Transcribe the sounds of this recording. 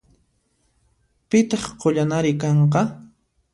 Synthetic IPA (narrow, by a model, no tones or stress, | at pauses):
pɪt̪ɑχqoʎanaɾɪkɑɴqɑ